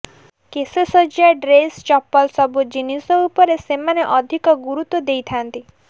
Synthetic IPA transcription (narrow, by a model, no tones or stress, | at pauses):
kesesɔd͡ʒaɖɾest͡ʃɔpːɔlsɔbud͡ʒinisɔupɔɾesemaneʔɔd̪ʱikɔɡuɾut̪wɔd̪ejt̪ʰant̪i